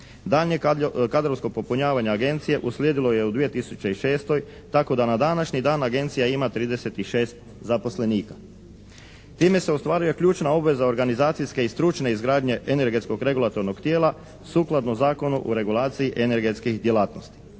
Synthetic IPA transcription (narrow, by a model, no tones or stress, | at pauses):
d̪aːʎɲekad̪ɾoskopo̞puɲaːʋaɲaːɡe̞nt̪sije̞ʔuslʲjeːd̪ilo̞je̞ud̪ʋije̞t̪isut͡ɕeiʃe̞ːst̪o̞j | t̪ako̞d̪anad̪anaʃɲid̪aːnaɡe̞nt̪sijaimat̪ɾiːd̪e̞se̞t̪iʃeːst̪ | zapo̞sle̞niːkḁ | t̪iːme̞se̞ost̪ʋaːɾuje̞kʎuːt͡ʃnao̞bʋe̞zao̞ɾɡanizaːt̪siske̞ist̪ɾut͡ʃne̞izɡɾaːd̪ɲe̞ʔene̞ɾɡe̞t̪sko̞ɡɾe̞ɡulˠat̪o̞ɾno̞ɡt̪je̞ːlˠa | suːklˠad̪nozaːko̞nuʔuɾe̞ɡulˠaːt̪siiʔe̞ne̞ɾɡe̞t̪skixd̪je̞laːt̪nost̪i̥